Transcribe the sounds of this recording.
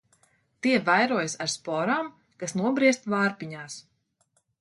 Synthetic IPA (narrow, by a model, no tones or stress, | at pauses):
t̪iɛvajɾuɔjsaɾspɔɾaːm | kasnuɔbɾiɛst̪vaːɾpiɲaːs